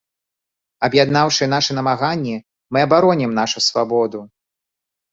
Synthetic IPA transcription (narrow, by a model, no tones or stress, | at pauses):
ɐbjad̪nawʂɨɛn̪aʂɛnɐmaɣanʲːi | mɨɐbaɾɔnʲɛmnaʂusvabɔd̪u